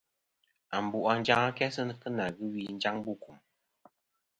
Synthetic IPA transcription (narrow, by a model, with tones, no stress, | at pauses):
a˨m˨bu˨ʔa˨n̩˦d͡ʒa˦ŋa˦kɛ˦sə˦n˨kə˦na˨ɣɨ˦wi˦n̩˦d͡ʒa˦ŋbu˦˨ku˨m